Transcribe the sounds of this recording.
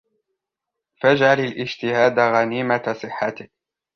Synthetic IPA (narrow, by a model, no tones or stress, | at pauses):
fad͡ʒʕalalʔɪd͡ʒt̪ɪhaːd̪aɣaniːmasˤɨħːat̪ɪ